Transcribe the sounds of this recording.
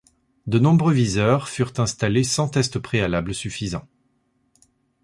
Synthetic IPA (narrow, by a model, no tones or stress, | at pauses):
d̪ənɔ̃bʁøvizœʁfyʁt̪ɛ̃st̪alesɑ̃t̪ɛst̪pχealabləsyfizɑ̃